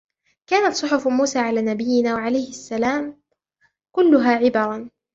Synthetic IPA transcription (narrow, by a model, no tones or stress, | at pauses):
kaːnat̪sˤʊħʊfmuːsaːʕalaːnabɪjːɪnaːwaʕalajhɪʔasːalaːm | kʊlːʊɦaːʕɪbɑɾˤɑn